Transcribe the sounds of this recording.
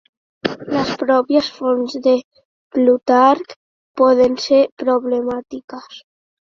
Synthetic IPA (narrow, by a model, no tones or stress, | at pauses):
ləspɾɔpjəsfɔnzðe | plut̪aɾk | pɔðenseɾpɾoβlemat̪ikəs